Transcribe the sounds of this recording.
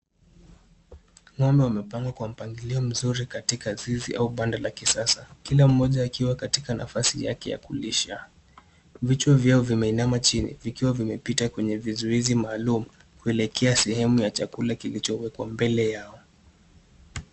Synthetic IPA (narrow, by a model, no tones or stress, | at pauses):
ŋwambɛwamɛpaŋɡakwam̩paŋɡiliɔm̩zuɾikatikazizḭʔauɓandalakisasakilam̩ːɔʄaːkiwakatikana̰fasija̰kɛja̰kuliʃa | vit͡ʃwɔvjaɔvimɛinamat͡ʃinḭvikiwavimɛpitakwɛɲɛvizuizimaːlumu | kuɛlɛkʰɛasɛhɛmujat͡ʃakulakilit͡ʃɔwɛkwa̰mbɛlɛjaɔ